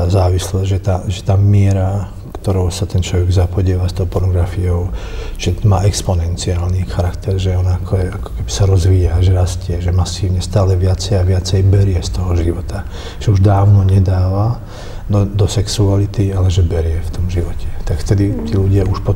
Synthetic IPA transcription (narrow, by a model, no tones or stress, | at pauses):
azaːʋislɛʒɛt̪aʒɛt̪aːmɪɛɾa | kt̪ɔɾɔʊsat̪ɛnt͡ʃlɔʋɛɡzapɔɟɪɛːʋast̪ɔʊpɔɾnɔɡɾafiɔʊ | ʒ̥ɛmaːɛkspɔnɛnt͡siaːlnixaɾakt̪ɛɾʒɛɔnaːkʰɔɛakɔ̥kɛbisaɾɔzʋiːjaʒɛɾascɪɛʒɛmasiːʊɲɛst̪aːlɛʋɪat͡sɛjaʋɪat͡sɛjbɛɾɪɛst̪ɔɦɔʒiʋɔt̪a | ʒ̥ɛuʒd̪aːʊnɔɲɛd̪aːʋa | d̪ɔd̪ɔsɛksualit̪ialɛʒɛbɛɾɪɛft̪ɔmʒiʋɔcɛ̥t̪akft̪ɛd̪it̪iːluɟɪauʃpɔ